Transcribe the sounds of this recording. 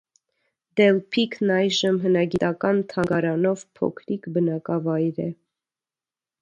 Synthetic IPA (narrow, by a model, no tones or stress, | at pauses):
d̪ɛlpʰikʰnɑjʒəmɦənɑɡit̪ɑkɑnt̪ʰɑŋɡɑɾɑnɔvpʰɔ̰kʰɾikbənɑkɑvɑjɾɛ